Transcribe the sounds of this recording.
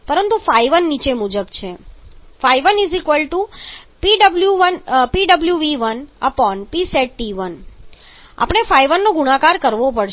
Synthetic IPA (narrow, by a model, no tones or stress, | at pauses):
pəɾənt̪ufaiʋənːit͡ʃemud͡ʒəbt͡ʃʰefajʋənizikʋəlʈupiɖəbljuʋənpiɖəbljuʋiʋənəpɔnpiseʈ̚ːiʋən | a̰pəɽ̃efajʋənːoɡuɽãkaɾkəɾʋopəɽʃ